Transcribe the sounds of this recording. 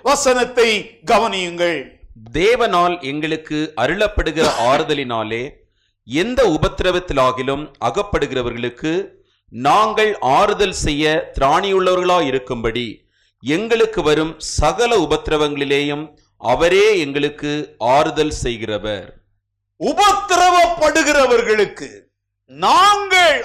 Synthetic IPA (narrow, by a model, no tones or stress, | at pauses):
ʋɐsɐnɐt̪ːɐɪɡɐʋɐnɪjɯŋɡɐɭd̪eːʋɐnaːlɛŋɡɐɭɯkːɯʔɐɾɯɭɐpːɐɽɯɣɪrɐʔaːɾɯðɐlɪnaːleː | ɛnd̪ɐʊbɐt̪ːɪɾɐʋɐt̪ːɪlaːɣɪlɯmɐɣɐpːɐɽɯɣɪrɐʋɐɾɣɐɭɯkːɯ | naːŋɡɐɭaːɾɯðɐlsɛjːɐt̪ɪɾaːɳɪjɯɭːɐʋɐɾɣɐɭaːjɪɾɯkːɯmbɐɽi | ɛŋɡɐɭɯkːɯʋɐɾɯmsɐɣɐlɐʊbɐt̪ːɪɾɐʋɐŋɡɐɭɪleːjɯm | ʔɐ̰ʋɐɾeːɛŋɡɐɭɯkːɯaːɾɯðɐlsɛjɣɪrɐʋɐ̰ɾ | ʊbɐt̪ːɪɾɐʋɐpːɐɽɯɣɪrɐʋɐɾɣɐɭɯkːɯ | naːŋɡɐɭ